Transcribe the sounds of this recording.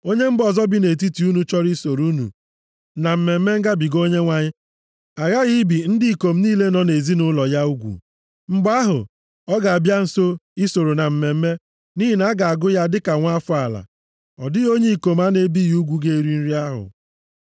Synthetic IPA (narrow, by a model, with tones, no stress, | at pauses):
o˦ɲe˦m̩˦bɔ˨zɔ˦bi˦ne˨t̬i˦ti˨˦u˦nu˦t͡ʃɔ˦ɾi˦so˨ɾu˦nṵ˨ | na˨m̩˨me˨m̩˦me˦ŋ̩˦ɡa˦bi˨ɡo˦ɲe˦ŋʷa˨ɲɪ˦ | a˨ɣa˦ɣi˦bi˨n̩˦dɪ˦i˨ko˨m̩˦niː˦le˦nɔ˨˦ne˨zi˦nʊ˦lɔ˨ja˦u˦ɡʷṵ˨ | ŋ͡m̩˦ɡ͡ba˦ɦʊ̰˨ | ɔ˦ɡa˨a˨bja˦n̩˨so˦i˦so˨ɾo˨na˨m̩˨me˨m̩˦me˦ | ni˦ɦi˨na˦ɡa˨a˨ɡʊ˦ja˦dɪ˦ka˨ŋʷa˦fʊ˦a˨la̰˨ | ɔ̰˨dɪ˦o˦ɲe˦i˨ko˨m˦a˦ne˨˦bi˦ju˦ɡʷu˦ɡe˦ɾi˦n̩˦ɾi˦a˦ɦʊ̰˨